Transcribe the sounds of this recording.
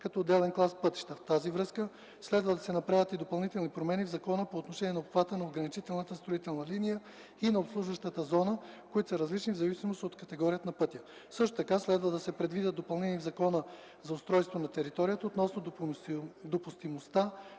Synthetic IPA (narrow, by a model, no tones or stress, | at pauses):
kɐt̪oːd̪ːɛlɛnklˠaspɤt̪i̥ʃt̪əft̪azivɾɤskə | slɛd̪vəd̪ɐsɛnɐpɾavʲət̪id̪opɐlˠnit̪ɛlˠnipɾomɛnivzɐkɔnəpoːt̪noʃɛnʲiɛnɐopxvat̪ənɐoɡɾɐnit͡ʃit̪ɛlˠnət̪əst̪ɾoit̪ɛlˠnəlinijə | inɐopslˠuʒvəʃt̪ət̪əzɔnəkoit̪ʊsɐɾɐzlit͡ʃnivzɐvisimost̪iot̪kɐt̪ɛɡɔɾiət̪nɐpɤt̪ʲjə | sɤʃ̬t̪o̥t̪ɐkaslɛd̪vəd̪ɐsɛpɾɛd̪vid̪ʲət̪d̪opɐlˠnɛniːvzɐkɔnə | zɐost̪ɾɔjst̪vonɐt̪ɛɾit̪ɔɾijət̪əot̪nɔsnod̪ | d̪opʊst̪imost̪a